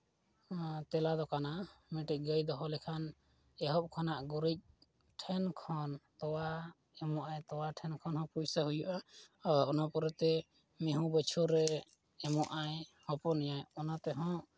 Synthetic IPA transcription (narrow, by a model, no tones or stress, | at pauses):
t̪ɛlad̪ɔkanamɛʈic̚ɡəjd̪ɔɦɔlɛkʰan | ɛɦɔp̚kʰanaʔɡuɾic̚ | ʈʰɛnkʰɔnt̪ɔwa | ɛmɔʔajt̪ɔwaʈʰɛnkʰɔnɦɔ̃pujsaɦujuʔaaɾɔnapɔɾɛt̪ɛ | mɛɦũbət͡ʃʰuɾɛ | ɛmɔʔajhɔ̃pɔnɛjajɔnat̪ɛɦɔ̃ʔ